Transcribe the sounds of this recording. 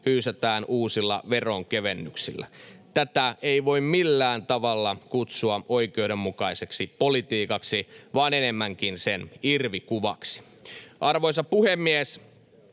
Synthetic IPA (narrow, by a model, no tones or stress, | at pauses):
hyːset̪æːnuːsilːɑ̰ʋeroŋkeʋenːyksḭlːæ̰t̪æt̪æeiʋo̞immilːæːnt̪ɑʋɑlːɑkut̪suɑoikeudemmukɑiseksipolit̪iːkɑksiʋɑːnenemːæŋkinsenirʋikuʋɑ̰ksi̥ | ʔɑrʋoisɑpuhemːies